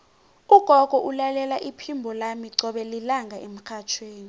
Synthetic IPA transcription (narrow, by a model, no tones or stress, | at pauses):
uɡ̥ʱɔɡ̥ʱɔʔulalɛlaʔipʰimbʱɔlamiǀɔɓɛlilaŋɡʱaʔem̩kʰat͡ʃʰweːni